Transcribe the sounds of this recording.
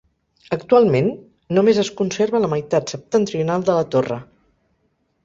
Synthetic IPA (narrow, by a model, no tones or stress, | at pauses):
əkt̪ualˠmenː | umezəskunseɾβələməjt̪at̪səp̚t̪ənt̪ɾiunalˠd̪ələt̪orə̰